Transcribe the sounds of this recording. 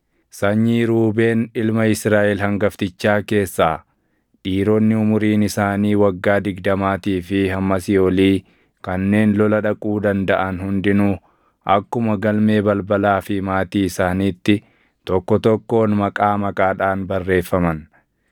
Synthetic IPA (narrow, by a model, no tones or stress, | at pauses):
sɐɲːiːɾuːbe̞ːnɪlmɐɪsɾaːʔɛlhɐŋɡɐft̪ɪt͡ʃːaːke̞ːsːaː | ᶑiːɾoːnːɪʊmʊɾiːnɪsaːniːwɐɡːaːd̪ɪɡd̪ɐmaːt̪iːfɪhɐmːɐsɪoliː | kɐnːe̞ːnlɔlɐᶑɐkʼuːd̪ɐnd̪ɐʔɐnhʊnd̪ɪnʊ | ɐkːʊmɐɡɐlme̞ːbɐlbɐlaːfɪmaːt̪iːɪsaːniːt̪ːɪ | t̪ɔkːɔt̪ɔkːo̞ːnmɐkʼaːmɐkʼaːᶑaːnbɐrːe̞ːfːɐmɐn